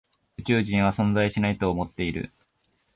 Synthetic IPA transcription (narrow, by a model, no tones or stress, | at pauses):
ɯ̟t͡ɕɨːʑĩɰ̃βasõ̞nd͡zaiɕinait̪o̞ːmo̞t̪ːe̞iɾɯ̟̰